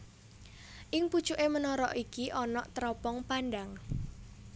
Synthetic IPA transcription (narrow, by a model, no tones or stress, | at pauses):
ʔɪŋpu̥t͡ʃuʔemənɔɾɔʔikiʔɔnɔʔt̪ɾɔpɔŋpanɖaŋ